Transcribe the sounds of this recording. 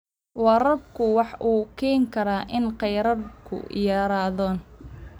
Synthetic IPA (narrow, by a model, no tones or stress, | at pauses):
wɑɾɐbkʰʊwɑħʔuːkʰɛːŋkʰɐɾaːʔɪnqɛjɾɐrkʰʊ̰jɑːɾaːðɔːn